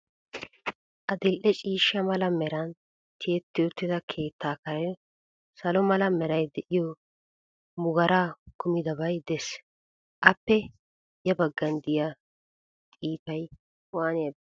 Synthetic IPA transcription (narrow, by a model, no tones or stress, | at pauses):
ʔɐd̪ɪlʔɛt͡ʃʼiːʃːɐmɐlɐmɛɾɐn | t̪ɪɛt̪ːɪɔt̪ːɪd̪ɐkʰe̞ːt̪ːaːkɐɾɐj | sɐlɔmɐlɐmɛɾɐjd̪ɛʔɪjɔ | mʊɡɐɾaːkʊmɪd̪ɐbɐjd̪ɛs | ʔɐpːɛ | jɐbɐɡːɐnd̪ɪja | t̪ʼiːfɐj | waːne